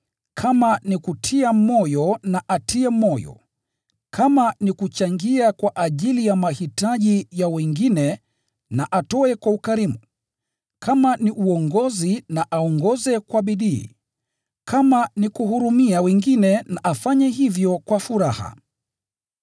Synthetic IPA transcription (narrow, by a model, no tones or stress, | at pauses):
kʰamanikutʰiamɔjɔnaʔatʰiɛmɔjɔ̰ | kʰamanikut͡ʃaŋɡiakwaʔaʄilijamahitaʄijawɛŋɡinɛ | naʔatɔɛkwaukaɾimu | kʰamaniʔuɔŋɡɔzinaʔaɔŋɡɔzɛkwaɓiɗḭː | kʰamanikuhuɾumiawɛŋɡinɛnaʔafaɲɛhivjɔkwafuɾaha̰